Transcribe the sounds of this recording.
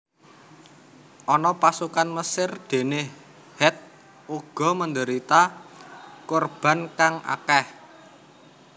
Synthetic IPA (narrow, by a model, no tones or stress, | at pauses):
ʔɔnɔpasukanməsɪrd̪̥e̤ne | hɛt̪̚ | uɡ̥ɔ̤məndəɾit̪a | korb̥a̤nkaŋʔa̰kɛh